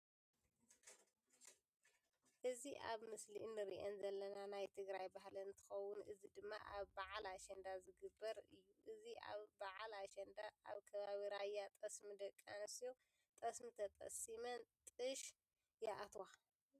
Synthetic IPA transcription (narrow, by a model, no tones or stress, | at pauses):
ʔɨziʔa̰βmɨslinːɨɾḭʔonzɐlːɐnanajt̪ʰɨɡɾajbahlɐnt̪ʰɨ̥xɐwːʊnʔɨzid̪ɨmːa̰ʔa̰βbaʕalaʃɐnd̪azɨɡɨbːɐɾɨ̰jːuʔɨziʔa̰βbaʕalaʃɐnd̪aʔa̰βkʰɐβaβiɾajːat̪ʼɐsmɨd̪ɐkʼːanɨsijo | t̪ʼɐsmɨt̪ʰɐt̪ʼɐ̰simɐnt̪ʼɨʃ | jaʔat̪wa